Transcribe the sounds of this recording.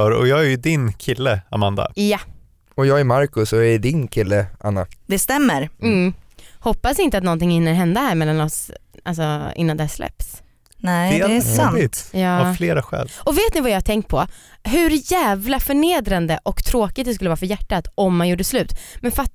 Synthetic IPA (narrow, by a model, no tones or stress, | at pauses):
œɾɔ̰jɑːɡæɾjɵd̪ɪnkʰɪlːəa̰mand̪a̰ja | ɔjɑːɡɛɾmaɾkɵsɔɛd̪ɪnkʰɪlːəʔa̰nːa̰d̪ɛst̪ɛmːəɾ | hɔpːasɪnt̪əat̪̬nɔnt̪ɪŋhɪnːəɾɦɛnd̪aɦæːɾmɛlːanɔsʔals̬ɔɪ̰nːand̪ɛhæslɛ̰ps | nɛɛaɪt̪jɑːafleːɾaɧɛ̰ːlɔveːt̪nɪvajɑːhat̪ʰɛŋkt̪̚pʰɔɦɵɾjæːvlafœɳeːd̪ɾand̪əʔɔkt̪ʰɾoːkɪt̪̚d̪ɛskɵlːvɑːɾfœɾjæʈːat̪ɔmːanjuːɖəslʉ̟ːt̪mɛnfa